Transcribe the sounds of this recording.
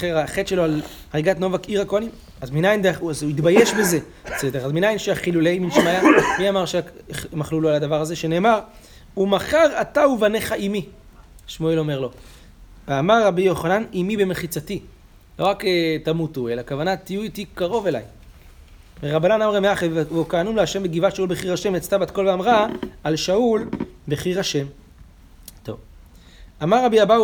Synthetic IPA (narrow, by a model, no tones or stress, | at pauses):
eʁaχe̞tʃe̞loal | ʁaɡatno̞vakiʁakoanim | azminajindeχuazuitbaje̞ʃbe̞ze̞ | t͡sedeʁazminajinʃeaχiluleiminʃmajamiamaʁʃemaχlulualad̪avaʁaze̞ʃe̞ne̞ːmaʁ | umaχaʁatauvane̞χaʔimi | ʃmoelo̞me̞ʁlo̞ | veamaʁːabijo̞χananimibe̞meχit͡sati | lo̞ʁaketamutue̞lakavanat̪ijuitikaʁo̞ve̞la̰j | veʁabananamʁemeaχevvukaːnumleaʃe̞mbeɡivatʃaulbeχiʁhaʃe̞mat͡st̪abatko̞lveamʁaːlʃaulbeχiʁaʃe̞m | to̞̰v | amaʁːabiaba